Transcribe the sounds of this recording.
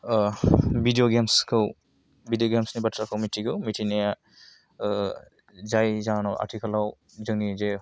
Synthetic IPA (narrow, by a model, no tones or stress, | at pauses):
bidijoɡemskʰɯw | bidijoɡemsnibatʰɾakʰɯwmitʰiɡʰɯwmitʰinija | zajzaŋnawʔa̰ɾtʰikʰalaw | zɯŋnize